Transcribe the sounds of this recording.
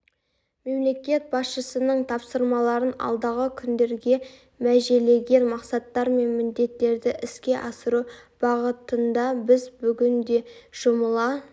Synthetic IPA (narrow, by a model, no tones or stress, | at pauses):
me̞mle̞kʲe̞t̪̚bɑsʃəsənəɴt̪ʰɑpsəɾmɑlˠɑɾənɑ̰lˠd̪ɑʁəkʲʰʏnd̪e̞ɾɡʲe̞ | mæʒele̞ɡʲe̞nmɑqsɑt̪ːɑɾme̞nmɪnd̪e̞t̪ːe̞ɾd̪ɪʔɪskʲe̞ʔɑsəɾub̥ɑʁət̪ənd̪ɑbɪzbʏɡʲɪnd̪e̞ʒ̥ʊməlˠɑ